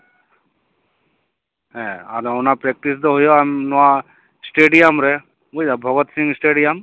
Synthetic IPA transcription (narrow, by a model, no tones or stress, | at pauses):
ɦɛ̃aɾɔnapɾek̚ʈisd̪ɔɦujɔamnɔwa | sʈeɖijamɾɛ | ujdabʱɔɡɔt̪siŋsʈeɖijam